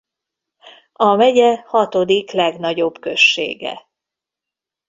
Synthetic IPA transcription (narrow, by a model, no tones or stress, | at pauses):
ɒmɛɟɛhɒt̪o̞d̪iklɛɡnɒɟo̞bkø̞ʃːḛːɡɛ̰